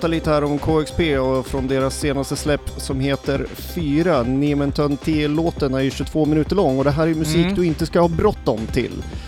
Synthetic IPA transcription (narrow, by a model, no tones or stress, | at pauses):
t̪aliːt̪əhæːɾɔmkʰoːɛkspeːɔfɾɔnd̪eːɾasːeːnast̪əslɛpːsɔmheːt̪əɾ | fyːɾanɪmɛnt̪ʰɔnt̪ʰelːoːt̪ənæjɕɵt̪ʰv̥oːmɪnʉ̟ːt̪əɭɔŋːɔd̪ɛɦæːɾæjmɵsiːkd̪ɵɪnt̪əskahɑːbɾɔt̪ːɔmt̪ʰɪ̰l